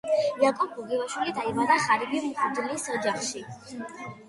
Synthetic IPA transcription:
jakʼɔb̚ɡuɡɛvaʃwilid̪aimad̪aχaɾibimχud̪lisɔd͡ʒaχʃi

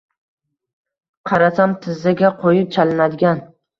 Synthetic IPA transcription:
qʰɑɾasamt̪ʰɪzːaɡʲaqʰojɪp̚t͡ʃʰalɪnad̪ɪɡʲan

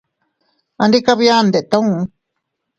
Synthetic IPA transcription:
andikaβiand̪eʔt̪aũ

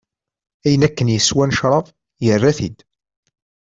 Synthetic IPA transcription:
æjənækːənjəswænʃɾˤɑðˤ | jərˤːæθḭd̪

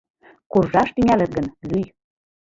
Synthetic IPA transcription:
kurʒɑʃt̪yŋælə̆t̪̚ɡə̆nlyj

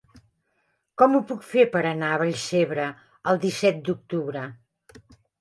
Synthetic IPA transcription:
kɔmupukfepəɾənaəβəʎseβɾə | əlˠd̪isɛt̪̚d̪uk̚t̪uβɾə

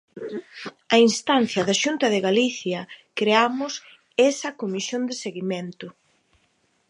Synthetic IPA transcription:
ɐinst̪anθjɐðɐʃunt̪ɐðeɣaliθjɐkɾeamʊs | esɐkomisjond̪eseɣimẽnt̪ʊ

